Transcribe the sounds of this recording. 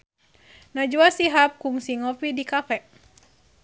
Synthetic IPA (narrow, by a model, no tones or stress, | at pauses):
nad͡ʒuasiɦap̚kuŋsiŋɔfidikafɛʔ